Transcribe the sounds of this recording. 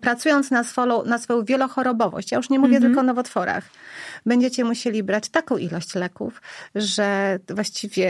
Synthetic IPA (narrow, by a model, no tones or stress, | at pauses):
pɾat̪sujɔnt̪snasfɔlɔ̃nasfɔɔ̃w̃vʲjɛlɔxɔɾɔbɔvɔ̰ɕt͡ɕjajuʂɲɛmuvʲjɛt̪ɘlkɔnɔvɔt̪fɔɾa̰xbɛɲd͡ʑet͡ɕɛmuɕelʲibɾat͡ɕt̪akɔ̃w̃ʔilɔɕt͡ɕlɛkṵfʐɛvwaɕt͡ɕivʲjɛ